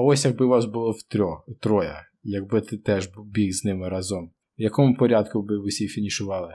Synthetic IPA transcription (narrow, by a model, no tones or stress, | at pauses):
ɐɔsʲjɐɡ̚bɪʋɑsbʊlˠɔwt̪ɾʲɔt̪ɾɔjɐ̰ | jɐɡ̚bɪt̪ɪt̪ɛʒbubʲiɣznɪmɪɾɑzɔm | wjɐkɔmʊpɔɾʲɑd̪kʊʋɪʋɪsʲifʲinʲiʃʊʋɑlˠɪ